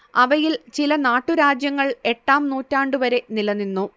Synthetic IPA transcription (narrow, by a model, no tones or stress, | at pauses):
ɐʋɐjilt͡ɕilɐnaːʈːuɾaːd͡ʑjɐŋːɐɭe̞ʈːaːmnuːtːaːɳɖuʋɐɾe̞nilɐnːinːu